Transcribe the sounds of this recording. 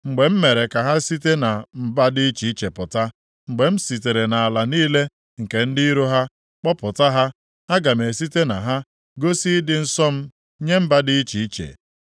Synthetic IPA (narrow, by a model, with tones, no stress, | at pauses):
ŋ͡m̩˨ɡ͡be˨m̩˦me˨ɾe˨ka˨ɦa˦si˦te˦na˨m̩˦ba˦dɪ˦t͡ʃi˨i˦t͡ʃe˨pʊ˨ta˦ | ŋ͡m̩˨ɡ͡be˨m̩˦si˨t̬e˨ɾe˨na˨a˨la˨niː˦le˦ | ŋ̩˨ke˨n̩˦dɪ˦i˦ɾo˦ɦa˦ | k͡pɔ˦pʊ˨ta˦ɦa˦ | a˦ɡa˨m˨e˨si˦te˦na˨ɦa˦ | ɡo˦si˦dɪ˨n̩˦sɔ˦m̩˦ | ɲe˦m̩˦ba˦dɪ˦i˦t͡ʃi˨i˦t͡ʃḛ˨